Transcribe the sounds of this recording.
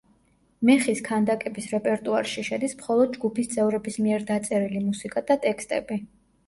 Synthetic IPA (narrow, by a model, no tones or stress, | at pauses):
mɛχiskʰand̪akʼɛbisɾɛpʼɛɾt̪ʼuaɾʃiʃɛd̪ismχɔlˠɔd̪̚d͡ʒɡupʰist̪sʼɛvɾɛbismiɛɾd̪at̪sʼɛɾilimusikʼad̪at̪ʼɛkst̪ʼɛ̰bi